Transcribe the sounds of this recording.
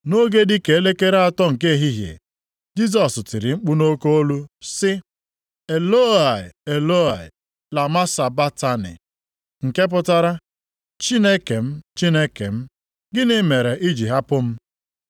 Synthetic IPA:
no˦ɡe˦dɪ˦ke˨e˦le˦ke˦ɾe˦a˦tɔ˦ŋ̩˨ke˦˨ɦi˦ɦjḛ˨ | d͡ʒi˦s̬ɔ˨sʊ˨tɪ˨ɾɪ˨ŋ͡m̩˦k͡pu˦no˦ko˦o˦lu˦sɪ˦ | e˨lo˦a˨ɪ˨e˨lo˦a˨ɪ̰˨ | la˨ma˦sa˨ba˦ta˦nɪ̰˨ | ŋ̩˨ke˦p̬ʊ˦ta˦ɾa˦ | t͡ʃi˦ne˦ke˨m̩˦t͡ʃi˦ne˦ke˨m̩˦ | ɡɪ˦nɪ˨me˨ɾe˨ʔi˦d͡ʒi˨ɦa˦pʊ˦m̩˦

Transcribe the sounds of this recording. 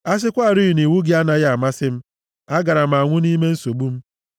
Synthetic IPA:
a˦s̬ɪ˦kʷa˦˨ɾi˦i˨ni˨wu˦ɡɪ˦a˦na˨ɣa˨ma˦sɪ˦m̩˦ | a˦ɡa˨ɾa˨m̩˨a˨ŋʷʊ˦ni˦me˦n̩˦so˨ɡ͡bu˦m̩˦

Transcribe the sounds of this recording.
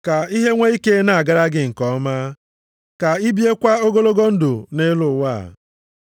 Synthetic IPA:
ka˨i˦ɦe˦ŋʷe˦i˦ke˦na˨a˨ɡa˦ɾa˦ɡɪ˦ŋ̩˨kɔ˨˦maː˦ | ka˨i˦bi˦e˦kʷa˦o˦ɡo˦lo˦ɡo˦n̩˦dʊ˨ne˦lʊ˨wa̰ː˦˨

